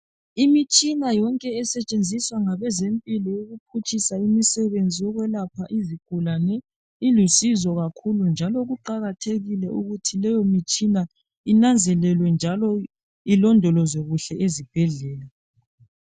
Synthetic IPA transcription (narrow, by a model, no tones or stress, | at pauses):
imit͡ʃʼinajɔŋkʼɛːsɛt͡ʃʼend͡zʱiswaŋaβɛzempʼilɔjoɣup̚ʰut͡ʃʼisaimisɛβend͡zʱiɔɣwɛlapʰaʔiziɡ̥ʱulanɛ | ilusizɔɣakʰulund͡ʒʱalɔɣuǃaɣatʰeɣilɛʔuɣutʰilɛjɔmit͡ʃʼina | inand͡zʱɛlɛlwɛnd͡ʒʱalɔ | ilɔndʱɔlɔzɔɣuɬɛezib̥ʱɛɮɛːla